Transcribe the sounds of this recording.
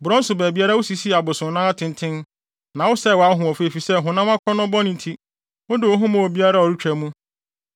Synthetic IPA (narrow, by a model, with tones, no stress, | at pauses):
bʊ˨ɾɔ̃˦n̩˦sʊ˨bɛː˨bi˦a˦ɾa˦wʊ˦si˨si˦˨a˨bʊ˨sʊ̃˨nã˦a˦tʰɪ̃˨n˦tʰɪ̃˦n | nã˨wʊ˦sɛ˦˨wɔ˨a˦ɦʊ̃˨ɔ˨fe˦e˨fi˨sɛ˦˨ɦʊ̃˨nã˦a˦kʰʷɔ˦nʊ̃˦bɔ˦nɪ̃˨n̩˨tʰi˦ | wʊ̃˦dɪ˨wo˨˦ɦʊ̃˦mã˨wo˨bi˦a˦ɾa˦ɔ˨ɾi˦t͡ɕᶣæ˨mũ˦